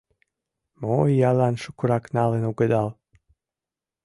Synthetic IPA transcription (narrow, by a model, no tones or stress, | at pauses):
moijalanʃukuɾaknalenuɡed̪alˠ